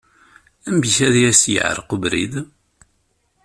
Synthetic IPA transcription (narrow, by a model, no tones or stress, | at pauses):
æmbiçæðjæsjə̰ʕ̰ɾqəbɾḭð